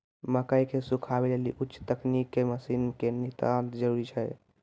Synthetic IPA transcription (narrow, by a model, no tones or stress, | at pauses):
məkəjkesukʰabeleliʔutːʃt̪əknikːeməsinkenit̪at̪d͡ʒəɾuɾit͡ʃʰɛj